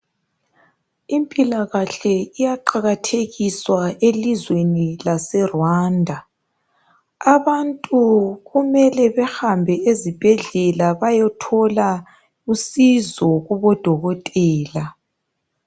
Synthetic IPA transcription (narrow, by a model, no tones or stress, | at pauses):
impʼilaɣaɬɛijaǃaɣatʰeɣiswaelizwenilasɛrwaːndʱa | aβantʼuɣumɛlɛβɛxambʱɛezib̥ʱɛɮɛlaβajɔtʰɔla | usizɔɣuβɔd̥ʱɔɣɔtʼɛːla